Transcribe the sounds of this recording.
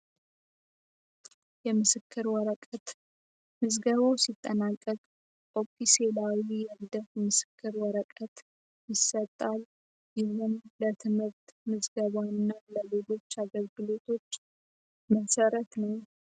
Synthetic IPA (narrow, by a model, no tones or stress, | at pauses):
jɛmɨsɨkʰːɨɾwɔɾəkʼət̪ | mɨzɡəβawsit̪ʼːənakʼːəkʼ | ʔokʼːiselawijɛlɨd̪əfmɨsɨ̥kʰːɨɾwɔɾəkʼət̪ | jɪsːət̪ʼːal | jɪhunlət̪ʰɨmɨɾt̪mɨzɡəβawnːaləleɡo̞t͡ʃːaɡəlɡɨlo̞t̪ʰo̞t͡ʃː | məsəɾət̪nəw